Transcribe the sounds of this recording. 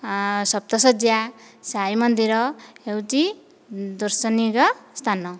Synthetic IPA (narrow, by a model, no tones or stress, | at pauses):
sʌb̚t̪ʌsʌd͡zjasajmʌnd̪iɾʌewt͡si | d̪ʌrsʌniɡʌst̪ʰanʌ